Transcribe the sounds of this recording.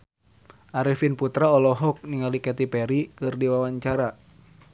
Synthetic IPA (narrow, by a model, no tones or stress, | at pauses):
ʔaɾifinput̪ɾaɔlɔɦɔk̚niŋalikɛt̪ipɛɾikɨrdiwawaɲt͡ʃaɾa